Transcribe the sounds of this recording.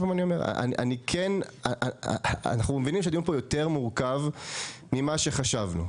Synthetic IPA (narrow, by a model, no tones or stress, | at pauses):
manio̞meʁa̰ʔa̰nʔa̰nikʰenaʔa̰naχnumevinimʃ̬adiuupojo̞teʁmuʁkavmimaʃe̞χaʃavnṵ